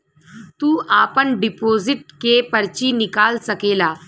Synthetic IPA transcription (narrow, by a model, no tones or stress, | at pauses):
t̪uːʔapəɳɖipozɪʈ̚kepəɾt͡ɕiːnikaːlsəkeːlaː